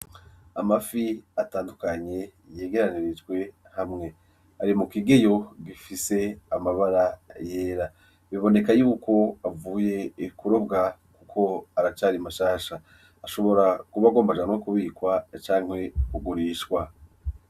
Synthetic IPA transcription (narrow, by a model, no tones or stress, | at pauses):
amafiataːndukaɲe̞ | je̞ːɡe̞ɾaniɾid͡ʒɡwe̞ | hamŋe̞ | aɾimukiɡe̞jo̞ɡifise̞amaβaɾaje̞ːɾa | βiβo̞ne̞kajuːkʰo̞avuːje̞ikuɾo̞bɡakukʰo̞aɾat͡ʃaːɾimaʃaːʃaː | ʃo̞βo̞ɾakuβaɡo̞ːmbaʒaːnwokuβiːkwat͡ʃaːŋ̥he̞uɡuɾiːʃkwa